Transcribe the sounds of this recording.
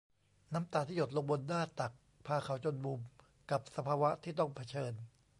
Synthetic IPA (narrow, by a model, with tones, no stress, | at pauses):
na˦˥mt̪aː˨˩t̪ʰiː˥˩jo˨˩t̪̚lo˧ŋbo˧ndaː˥˩t̪a˨˩k̚ | pʰaː˧kʰa˨˩˦wt͡ɕo˧nbu˧m | ka˨˩p̚sa˧pʰaː˧wa˦˥t̪ʰiː˥˩t̪ɔ˥˩ŋpʰa˧t͡ɕʰɤː˧n